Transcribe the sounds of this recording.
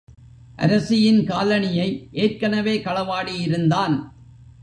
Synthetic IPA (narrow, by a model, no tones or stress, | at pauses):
ʔɐ̰ɾɐsɪjɪnkaːlɐnɪjɐɪʔeːrkɐnɐʋeːkɐɭɐʋaːɽijɪɾɯnd̪aːn